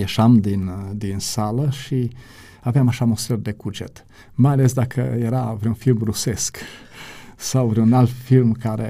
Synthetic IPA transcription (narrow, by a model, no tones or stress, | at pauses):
jeʃamd̪ind̪insaləʃi | aveamaʃamost̪ɾərd̪e̞kud͡ʒet̪ | majale̞sd̪akʰəjeɾavɾeunfilmɾuse̞sk | sawvɾiunalt̪filmkaɾḛ